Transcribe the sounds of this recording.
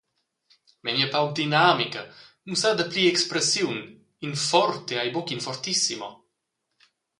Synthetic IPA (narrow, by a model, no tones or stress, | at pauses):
mɛmiapawd̪inamikanusad̪apliɛkspɾesjun | infɔɾt̪eajbokinfɔrt̪isimo